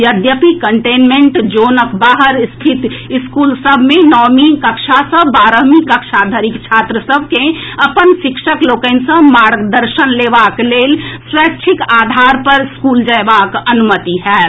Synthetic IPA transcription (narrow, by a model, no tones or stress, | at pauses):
jəd̪jəpikəɳʈeːnmẽɳʈd͡ʒoːnəkbaːɦəɾst̪ʰɪt̪ɪskuːlsəbʱmẽnɔːmikəkʃasəbbaːɾəmikəkʃad̪ʱəɾɪkt͡ʃʰaːt̪ɾəsəbʱkeəpənʃɪkʃəkloːkəɪnsə̃maːɾɡd̪əɾʃənleːʋaːkleːlswɛːt͡ʃʰɪkaːd̪ʱaːɾpəɾɪskuːld͡ʒəeʋaːkənʊmət̪iɦɛː